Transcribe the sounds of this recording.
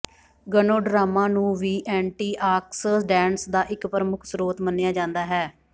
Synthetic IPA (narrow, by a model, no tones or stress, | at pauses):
ɡənoːɖɾaːmãːnũːʋiːʔɛːɳʈiːʔaːksəsɖɛ̃ːnsd̪aːʔɪkpɾəmʊkʰsɾoːt̪mənːejaːd͡ʒãːnd̪aːɦɛː